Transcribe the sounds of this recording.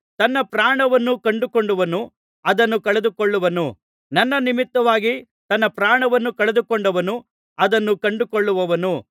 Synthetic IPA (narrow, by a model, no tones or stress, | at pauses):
t̪ɐnːɐpɾaːɳɐʋɐnːukɐɳɖukoɳɖuʋɐnu | ɐd̪ɐnːukɐɭed̪ukoɭːuʋɐnu | nɐnːɐnimit̪ːɐʋaːɡi | t̪ɐnːɐpɾaːɳɐʋɐnːukɐɭed̪ukoɳɖɐʋɐnu | ɐd̪ɐnːukɐɳɖukoɭːuʋɐʋɐnu